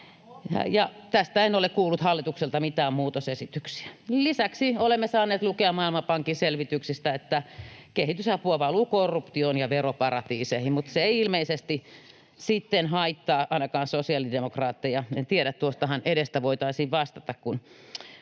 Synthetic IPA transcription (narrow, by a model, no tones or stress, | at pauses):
jɑt̪æst̪æenolekkuːlːut̪hɑlːit̪ukselt̪ɑmit̪æːmmuːt̪osesit̪yksi̥ælisæksiolemːesɑːneːt̪lukeɑmmɑilmɑpɑŋkiselʋit̪yksist̪æet̪ːækehit̪ysɑpuɑʋɑluːkorːupt̪ionjɑʋeropɑrɑt̪iːsehimmut̪seeiilmeisest̪i | sit̪ːenhɑit̪ːɑːʔɑinɑkɑːnsosiɑlidemokrɑːt̪ːejɑent̪ieɾæt̪t̪uost̪ɑhɑnʔeɾest̪æʋoit̪ɑisiːʋʋɑst̪ɑt̪ɑkkun